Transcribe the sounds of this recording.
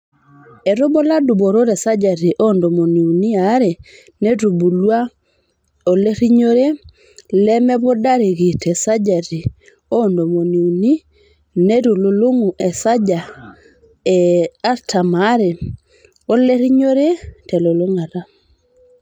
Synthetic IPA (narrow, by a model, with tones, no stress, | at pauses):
ɛ˨ɾo˦bo˦la˦dʊ˨bo˨ɾo˦ɾɛ˨sa˦d͡ʒa˨ɾi˨ʔo˦ndo˨mo˨ni˨u˨ni˦a˨˦ɾe˨ | ne˦ɾu˨bu˨lwa˦ | o˨le˦ɾi˦ɲo˦ɾe˦ | lɛ˦mɛ˦βɔ˦da˦ɾe˨ɣi˨tɛ˨sa˦d͡ʒa˨ɾi˨ | o˦˨ndo˨mo˨ni˨u˨ni˦ | ne˦ɾo˨lo˨lo˦ŋu˨ʔɛ˨sa˦d͡ʒa˨ | ɛ˨a˦ɾtʰa˨ma˨˦ɾe˨ | o˦le˦ɾi˦ɲo˦ɾe˦tɛ˨lo˨lo˦ŋa˨ɾa˦